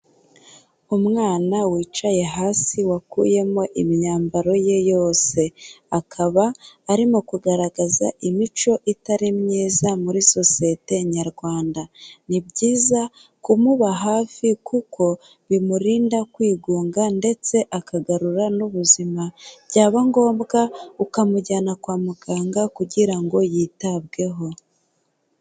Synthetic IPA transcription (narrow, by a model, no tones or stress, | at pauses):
umŋaːnawiːt͡ʃaje̞ɦaːsiwakṵːje̞mo̞ʔimiɲaːmbaɾo̞je̞jo̞ːse̞akʰaβaːɾimo̞kuɡaɾaɡaza̰ʔimit͡ʃo̞ʔitaɾimɲiːzamuɾiso̞siete̞ɲaɾɡwaːndanibɟiːza | kumuβaɦaːfikukʰo̞ | βimuɾiːndakwiːɡuːŋɡande̞t͡se̞ʔakaɡaɾuɾanuβuzimabɟaːβaŋɡo̞ːmbɡaukamuɟanakwaːmuɡaːŋɡakuɟiɾaŋɡo̞jiːtabɡe̞ɦo̞